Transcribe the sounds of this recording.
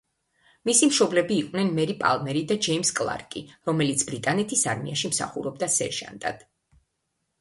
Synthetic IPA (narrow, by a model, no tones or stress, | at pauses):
misimʃɔblɛbiːqʼwnɛnmɛɾipʼa̰lˠmɛɾid̪ad͡ʒɛimskʼlˠa̰ɾkʼiɾɔmɛlit̪sʰbɾit̪ʼanɛt̪ʰisaɾmḭaʃimsa̰χṵɾɔb̚d̪asɛ̰ɾʒa̰nt̪ʼa̰d̪̥